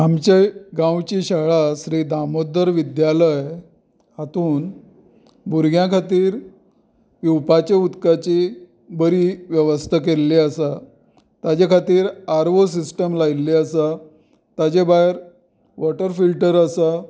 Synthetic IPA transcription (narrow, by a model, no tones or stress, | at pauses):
amt͡ɕeɡãwt͡ɕiɕaɭaɕɾid̪amod̪əɾʋid̪jaləj | hat̪uːn | buɾɡʱjãkʰat̪iːɾ | jupat͡ɕeut̪kat͡ɕi | bəɾiʋjəʋəst̪ʰəkelːiəsa | t̪jad͡ʑekʰat̪iːɾaɾʋos̬isʈəmlajlːiəsa | t̪jad͡ʑebaeɾ | ʋɔʈəɾfilʈəɾəsa